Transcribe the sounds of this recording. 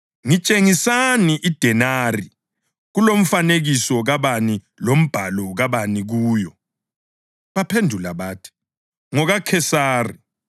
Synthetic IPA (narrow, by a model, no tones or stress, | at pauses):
ŋit͡ʃʼeŋisaniʔid̥ʱɛnaːri | ɣulom̩faneɣisɔɣaβani | lom̩b̥ʱalɔɣaβaniɣuːjɔ | βapʰendʱulaβaːtʰi̥ | ŋɔɣakʰɛsaːri